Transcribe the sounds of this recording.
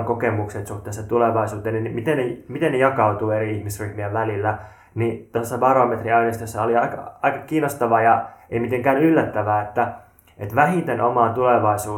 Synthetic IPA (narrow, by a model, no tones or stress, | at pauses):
kokemukset̪suht̪ːˑeːsːɑt̪uleʋɑisuːt̪eːninːimit̪enːemit̪enːejɑkɑut̪uːeɾiihmisryhmiæʋælilːæ | nit̪osːɑbɑromet̪riɑinest̪øsːɑoliɑikɑ̰ɑikɑkiːnost̪ɑʋɑjɑeimit̪eŋkæːnylːæt̪ːæʋæːet̪ːæ | et̪ʋæhit̪enʔomɑːt̪uleʋɑisuː